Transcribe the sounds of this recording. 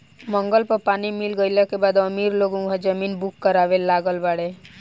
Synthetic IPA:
mə̃ŋɡəlpəɾpaːnimɪlɡəjlakebaːd̪əmiːɾloːɡõkad͡ʒəmiːnbukːəɾaːʋelaːɡəlbaɽe

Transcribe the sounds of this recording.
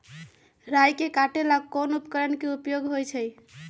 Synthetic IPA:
ɾajkekaʈelaɡkonupkəɾənkeupjoɡɦojt͡ʃʰəj

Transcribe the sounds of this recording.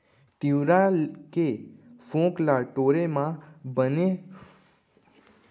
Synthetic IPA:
t̪iʋɾakefõklaʈoɾemãbəne

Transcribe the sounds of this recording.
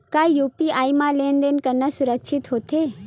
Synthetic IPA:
kaːjuːpiaːimãleːnd̪enkɐɾnəsʊɾəkʃʰɪt̪ɦoːt̪ʰeː

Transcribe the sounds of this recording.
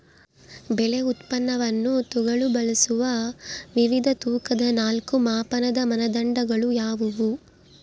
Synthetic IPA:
bɛle̞ut̪pɐnːɐʋɐnːut̪uɡɐɭubɐlɐsuʋɐʋiʋid̪ʱɐt̪uːkɐd̪ɐnaːlkumaːpɐnɐd̪ɐmɐnɐd̪ɐɳɖɐɡɐɭujaːʋuʋu

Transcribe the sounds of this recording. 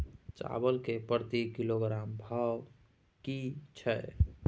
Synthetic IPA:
t͡ʃa̰bəlkepəɾt̪ikiloɡɾambʱaw | kit͡ʃʰəj

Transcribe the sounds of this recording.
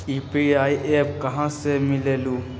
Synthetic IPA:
iːpiaːiʔeːpkɐɦãsemɪleːluː

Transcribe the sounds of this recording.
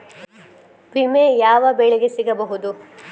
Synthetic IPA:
pɾimejaːʋɐbeɭeɡesiɡɐbɐɦud̪u

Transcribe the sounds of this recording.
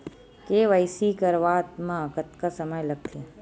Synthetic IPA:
keːʋəjsikəɾʋaːt̪mãəkət̪kasəməjləɡ̚t̪ʰe

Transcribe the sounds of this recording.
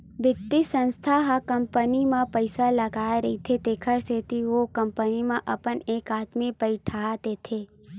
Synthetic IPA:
bɪt̪ːisə̃nst̪ʰaɦakɐmpənimãpəɪsalɐɡaːeɾɐɦit̪ʰet̪ekʰəɾset̪iʋokɐ̃mpənimãʔɐpəneːkaːt̪mipəiʈʰaːt̪et̪ʰe

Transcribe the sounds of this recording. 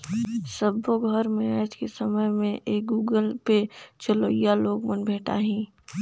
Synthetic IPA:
səboɡʱəɾmẽaːd͡ʒkesəməjmẽʔeːk̚ɡuːɡəlpet͡ʃəloijaloːɡmənbʱeːʈa̰ɦĩː

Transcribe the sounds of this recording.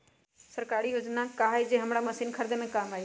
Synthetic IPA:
səɾkaːɾiɦʊd͡ʒnakaːid͡ʒeɦəmɽaːməsiːnkʰəɾd̪emẽkaːmaːeː

